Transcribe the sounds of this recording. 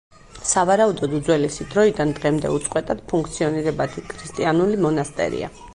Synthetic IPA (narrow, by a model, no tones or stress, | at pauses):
savaɾaud̪ɔd̪ud̪zwɛlisid̪ɾɔid̪and̪ʁɛmd̪ɛ̰ut̪sʼqʼwɛt̪ʼad̪̥pʰuŋkʰt̪sʰiɔniɾɛbat̪ʰikʰɾist̪ʼianulimɔnast̪ʼɛ̰ɾḭa̰